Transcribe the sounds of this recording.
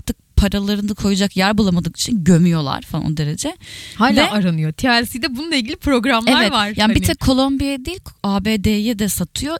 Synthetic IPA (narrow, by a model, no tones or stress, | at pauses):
ɾt̪ʰɯk̚pʰaɾalˠaɾɯnakʰo̞jud͡ʒakjæɾbulˠamad̪ɯki̥t͡ʃʰinɟømyjo̞lˠa̰ɾ̥falˠa̰no̰d̪e̞ɾe̞d͡ʒɛhaːjlvʲɛːaɾanɯjo̞t̪ʰialʲsijd̪ɛbununˠɐilʲɟilʲipɾo̞ɡɾameavɛt̪vaɾ̥jaːnbit̪ʰɛkʰo̞lˠombijajad̪eijilʲkʰaːbeːd̪eːjɛd̪ɛsat̪ʰɯjo̞